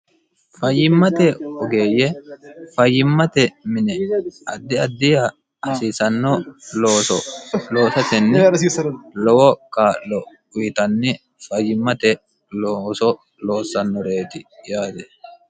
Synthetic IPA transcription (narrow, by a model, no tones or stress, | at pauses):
fɐjːɪmːɐt̪ɛɔɡeːjːɛfɐjːɪmːɐt̪ɛmɪnɛɐd̪ːɪɐd̪ːɪjɐ | ʔɐsiːsɐnːɔloːsɔlo̞ːsɐt̪ɛnːɪ | lɔwɔkaːlɔ | ʊjɪt̪ɐnːɪ | fɐjːɪmːɐt̪ɛ | losɔ | lo̞ːsːɐnːɔɾe̞ːt̪ɪjaːd̪ɛ